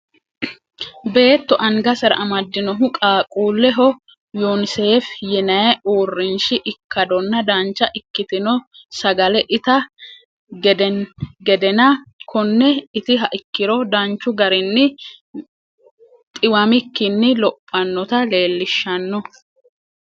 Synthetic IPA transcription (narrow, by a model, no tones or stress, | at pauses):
be̞ːt̪ːɔʔɐŋɡɐsɐɾɐ̰ʔɐmɐd̪ːɪnɔɦʊkʼaːkʼuːlːɛɦɔ | jonɪseːfjɛnɐjɛoːrːɪnʃɪʔɪkːɐd̪ɔnːɐd̪ant͡ʃːɐʔɪkːɪt̪ɪnɔ | sɐɡɐlɛʔɪt̪ɐ | ɡɛd̪ɛɡɛd̪ɛnɐkʰɔnːɛɪt̪ɪɦɐʔɪkːɪɾɔd̪ɐnt͡ʃːʊɡɐɾɪnːɪ | t̪ʼɪwɐmɪkːɪnːɪlɔpʼːɐnːɔt̪ɐle̞ːlːɪʃːɐnːɔ